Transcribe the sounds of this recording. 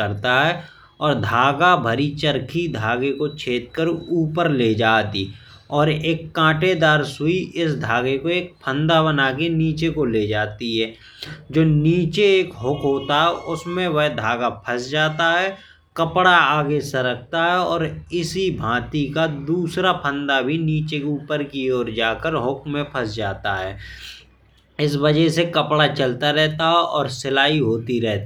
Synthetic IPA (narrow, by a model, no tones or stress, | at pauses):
əɾt̪aɦɛ | ɔːɾd̪ʱaːɡabʱəɾit͡ʃəɾkʰid̪ʱaːɡekot͡ʃʰeːt̪̚kəɾuːpəɾleːd͡ʒaːt̪ḭ | ɔːɾeːkːãːʈed̪aːɾsʊiʔɪsd̪ʱaːɡekoeːk̚pʰə̃nd̪abənaːkeniːt͡ʃekoled͡ʒaːt̪iɦɛː | d͡ʒoːniːt͡ʃeeːkɦʊkʰɦoːt̪aɦɛʔʊsmẽʋəɦd̪ʱaːɡapʰɐsd͡ʒaːt̪aɦɛː | kɐpɽaaːɡesɐɾək̚ʰt̪aɦɛɔːɾɪsibʱãːt̪ikad̪uːsɾapʰə̃nd̪abʱiniːt͡ʃekeuːpəɾkioːɾd͡ʒaːkəɾɦʊkmẽpʰɐsd͡ʒaːt̪aɦɛː | ɪsʋəd͡ʒəɦsekɐpɽat͡ʃəlt̪aɾɛɦt̪aɦɛʔɔːɾsɪlaːiɦoːt̪iɾɛɦt̪ː